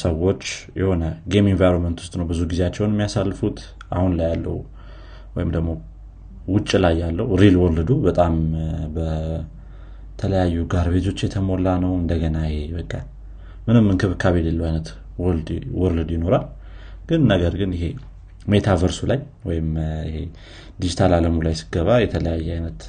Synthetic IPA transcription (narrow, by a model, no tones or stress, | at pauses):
səwo̞t͡ʃːjɛho̞nəɡeminvajɾonmənt̪wʊst̪ʼnəwbɨzuɡizeat͡ʃːɛwnɛmːijasalːfut̪ | ʔa̰hunlajːalːə̰hu | wɔjɪmd̪əɡmo̞ | wʊt͡ʃʼːilajːalːəwɾilwɔlɨd̪ubət̪ʼambə | t̪ʰələjajːuɡaɾbe̞t̪ʰo̞t͡ʃːjɛt̪ʰəmo̞lːanəwɨnd̪əɡənajeβəkʼːa | mɨnɨmːɨnkʰɨβɨkʰaβlelːəwajnət̪ | wɔld̪wɔɾlɨd̪jɪno̞ɾal | ɡ̥ɨnːəɡəɾɡɨnɪɦe̞ | me̞t̪ʰavəɾsulaj | wɔjɪmɪhḛ | d̪id͡ʒit̪ʰalaləmulajsɨ̥ɡəβajɛt̪ʰələjajːɛajnət̪